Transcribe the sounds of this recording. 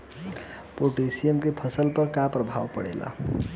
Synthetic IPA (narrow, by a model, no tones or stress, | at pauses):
poʈesijemkepʰʌsəlpəɾkapɾəbʱawpəɽḛla̰